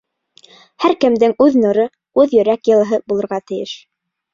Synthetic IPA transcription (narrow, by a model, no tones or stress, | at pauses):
hæɾkɘ̆md̪ɘŋʉðnŏɾɤ | ʉðjɵ̆ɾækjɤ̆lˠɤ̆ɦɤbulˠɤ̆ɾʁɑt̪ɘ̆jɘʃ